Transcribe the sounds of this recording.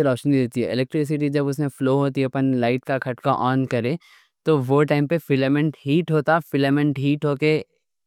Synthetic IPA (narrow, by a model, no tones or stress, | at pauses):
eɾɔːpʃənid̪eːt̪iɦɛɪlɛk̚ʈɾɪs̬ɪʈid͡ʒɐbʊsmẽfloːɦoːt̪iɦɛɐpənlaːɪʈkakʰɐʈkaʔɔːnkɐɾẽː | t̪oʋoːʈaːɪmpefɪləmɛ̃ɳʈɦiːʈɦoːt̪afɪləmɛ̃ɳʈɦiːʈɦoːke